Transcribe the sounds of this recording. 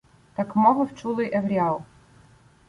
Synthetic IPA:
t̪ɑkmɔɦɔwt͡ʃulˠɪjʔeʋɾʲiɑlˠ

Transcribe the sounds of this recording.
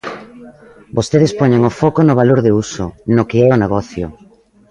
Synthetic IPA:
bost̪eð̞espɔɲeŋʊfɔkonʊβaloɾðɪusʊnokɪɛʊneɣ̞ɔθjʊ̰

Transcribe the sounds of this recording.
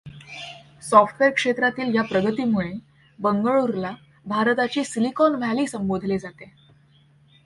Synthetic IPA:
sɔfʈʋeɾkʂet̪ɾat̪iːljapɾəɡət̪iːmuɭe | bəŋɡəɭuɾla | bʱaɾət̪at͡ɕiːsilikɔnʋʱaliːsəmbod̪ʱled͡zat̪e

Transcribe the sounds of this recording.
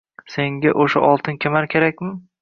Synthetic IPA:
se̞ŋɡʲaʔoʃa̰ʔɒlˠt̪ʰɪnkʲʰemaɾkʲʰeɾakʲmɪ

